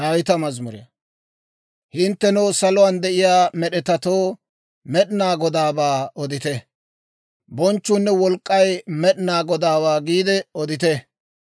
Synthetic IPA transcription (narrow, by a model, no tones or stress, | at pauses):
aːwɪt̪ɐmɐzmʊɾɪ̰jɐ̰ | hɪnt̪ːɛnɛwsɐlʊwɐnd̪ɛʔɪjaːmɛɗɛt̪ɐt̪oː | mɛɗnaːɡɔd̪aːbaːɔd̪ɪt̪ɛ | bɔnt͡ʃːʊnːɛwɔlkʼːɐjmɛɗnaːɡɔd̪aːbaːɡiːd̪ɛɔd̪ɪt̪ɛ